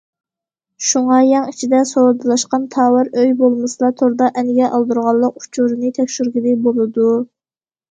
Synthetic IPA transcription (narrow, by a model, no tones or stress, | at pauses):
ʃuŋɑjɑŋit͡ʃʰid̪ɛsoɾd̪ɨlˠɑʃqɑnt̪ʰɑːwɨɾøjbolˠmɨsɨlˠɑt̪ʰoɾd̪ɑʔɛnɪɡʲɛʔɑlˠd̪uɾʁɑlˠːəq̚u̥t͡ʃʰuɾɨnɨt̪ʰɛkʲʃyɾɡʲɪd̪ɪbolˠɨd̪u